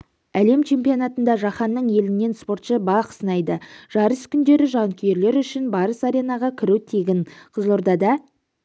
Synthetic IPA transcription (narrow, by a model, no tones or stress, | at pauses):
æle̞mt͡ʃʰe̞mpijonɑt̪ənd̪ɑʒɑχɑnːəɴje̞lɪnːe̞nspo̞ɾt̪ʃəbɑqʰə̥sənɑjd̪əʒ̥ɑɾəskʲʰʏnd̪e̞ɾɪʒɑŋkʲʰejeɾle̞ɾʏʃɪnbɑɾəsɑɾʲe̞nɑʁɑkʲʰɪɾut̪ʰe̞ɡʲɪnqʰəzlˠo̞ɾd̪ɑd̪ɑ